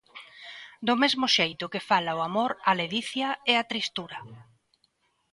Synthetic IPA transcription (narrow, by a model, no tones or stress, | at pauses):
d̪ʊmezmʊʃejt̪ʊkɪfalaʊamoɾaleðiθjɐɛat̪ɾist̪uɾɐ